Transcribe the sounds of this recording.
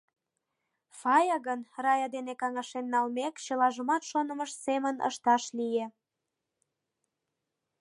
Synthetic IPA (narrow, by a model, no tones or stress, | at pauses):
fɑjɑɣənrɑjɑd̪enekɑŋɑʃenːɑlmekt͡ɕəlɑʒəmɑt̪ʃonə̆məʃsemənə̰ʃt̪ɑʃlije